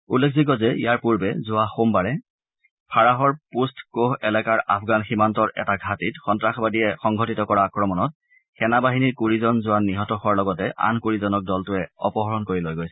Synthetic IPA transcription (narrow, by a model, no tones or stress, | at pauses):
ulːekʰziɡ̬ɔzɛijaɹpuɹbɛzʊaxombaɹɛ | pʰaɹaɦɔɹpustʰkoɦɛlɛkaɹʔa̰pʰɡanximantɔɹʔɛ̰taɡʱatitxɔntɹaxbadiɛxɔŋɡʱɔtitɔkɔɹakɹɔmɔnɔt̚ | xɛnabaɦiniɹkuɹizɔnzʊanːiɦɔtɔxaɹlɔɡɔtɛʔa̰nkuɹizɔnɔk̚dɔltʊɛɔ̰pɔɦɔɹɔnkoɹilojɡojsɛ̥